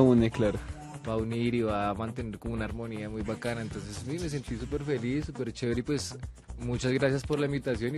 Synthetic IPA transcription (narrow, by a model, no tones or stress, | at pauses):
uneklaɾ | bauniɾiβamant̪eneɾkomunaaɾmoniamujbakanaent̪onsesmimes̬ent̪isupeɾfelisupeɾt͡ʃeɾipwes | mut͡ʃasɡɾasjaspoɾlaimbit̪asjoni